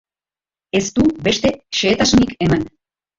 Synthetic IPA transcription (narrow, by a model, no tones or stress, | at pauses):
e̞st̪ube̞ʃt̪e̞ʃeːt̪asunikeman